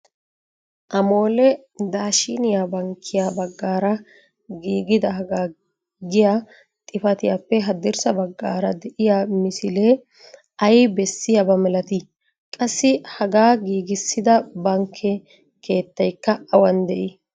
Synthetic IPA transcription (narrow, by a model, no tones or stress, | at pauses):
ʔɐmo̞ːlɛ | d̪aːʃinɪjabɐŋkʰːɪjabɐɡːaːɾɐ | ɡiːɡɪd̪ɐɦɐɡaː | ɡɪja | t̪ʼɪfɐt̪ɪjapːɛɦɐd̪ɪɾsɐbɐɡːaːɾɐd̪ɛʔɪjamɪsɪleː | ɐjbɛsːɪjɐbɐmɛlɐt̪ɪ | kʼɐsːɪhɐɡaːɡiːɡɪsːɪd̪ɐbɐŋkʰːɛ | kʰe̞ːt̪ːɐjkːɐɐwɐnd̪ɛʔɪ